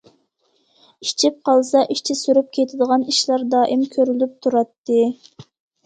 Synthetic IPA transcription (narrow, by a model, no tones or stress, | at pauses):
it͡ʃʰip̚qɑlˠsɑʔiʃt͡ʃʰisyɾyp̚kʲʰet̪ʰɪd̪əʁɑniʃlˠɑɾd̪ɑːʔimkʲʰøɾylyp̚t̪ʰuɾɑt̪ːɨ